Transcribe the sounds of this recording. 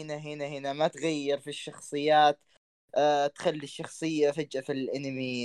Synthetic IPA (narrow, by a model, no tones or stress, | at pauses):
ɪnaɦɪnahɪnamat̪ɣajːɪɾfiʃːɑxsˤɨjːaːt̪ː | t̪xalːiʃːɑxsˤɨjːafad͡ʒʔafilʔɪnmiː